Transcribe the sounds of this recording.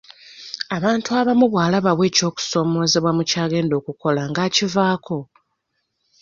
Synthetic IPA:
aβaːntuaβamuβwaːlaβaβwe̞ːco̞ːku̥so̞ːmo̞ːzeβwamucaːɡe̞ːndo̞ːkuko̞laŋɡaːcivaːko̞

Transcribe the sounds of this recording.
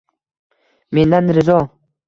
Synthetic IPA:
mend̪anːɾɪzɔ

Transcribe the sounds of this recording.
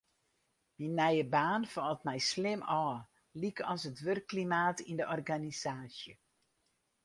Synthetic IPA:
minːɛjəbaːnfɔlˠtmɛjslɪmɔː | likɔsətʋørkːlimaːtindəʔɔrɡanisaːsjə

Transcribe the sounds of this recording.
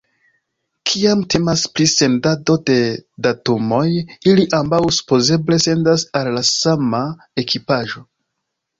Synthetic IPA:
kʰiamtʰe̞masplise̞ndado̞de̞datumo̞jiliʔambawsu̥po̞ze̞ble̞se̞ndasalːasama | e̞kipaʒo̞

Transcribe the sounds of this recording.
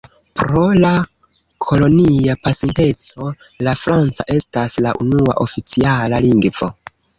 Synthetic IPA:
pɾo̞la | kʰo̞lo̞niapasinte̞t͡so̞ | lafɾant͡saʔe̞staslaʔunua̰ʔo̞fit͡sialaliŋɡvo̞̰

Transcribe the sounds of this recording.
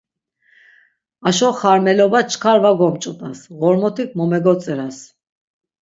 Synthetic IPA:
aʃɔχaɾmɛlɔbat͡ʃʰkʰaɾvaɡɔmt͡ʃʼɔt̪ʼasɣɔɾmɔt̪ʰikʰmɔmɛɡɔt͡sʼɛɾas

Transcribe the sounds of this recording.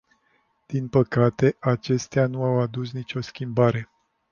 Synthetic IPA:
d̪̥inpəkat̪e̞ʔat͡ʃe̞st̪eanuawad̪us̬nit͡ʃʲo̞skʲimbaɾe̞

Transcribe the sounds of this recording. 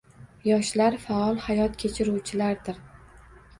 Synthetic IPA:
jɒʃlaɾfaɒlˠhajɒt̪kʲʰet͡ʃʰɪɾuwt͡ʃʰɪlaɾd̪ɪɾ

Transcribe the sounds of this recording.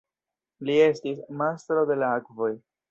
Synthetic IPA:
lie̞stismastɾo̞de̞laakvo̞j

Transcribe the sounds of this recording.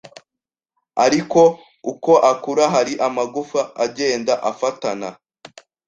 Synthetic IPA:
aɾiko̞ | uko̞ʔakuɾaɦaɾiʔamaɡufaaɟe̞ːndaʔafatana

